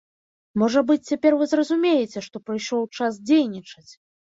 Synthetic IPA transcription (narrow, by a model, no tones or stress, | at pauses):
mɔʐɐbɨt͡sʲt͡sʲapʲɛrvɨzrɐzumʲejɛt͡sʲɛʂt̪ɔpɾɨjʂɔwt͡ʂas̬d͡zʲejnʲit͡ʂɐt͡sʲ